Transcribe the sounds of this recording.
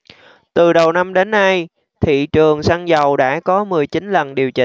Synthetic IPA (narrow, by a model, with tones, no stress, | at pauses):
t̪ɨ˨˩ɗə˨˩wna˧mɗe˨˦nːa˧j | t̪ʰḭ˧˨t͡ɕɨ˨˩əŋsaː˧ŋzə˨˩wɗa̰ː˧˥kɔ˨˦mɨ˨˩əjt͡ɕï˨˦nlə˨˩nɗi˨˩əwt͡ɕï˨˩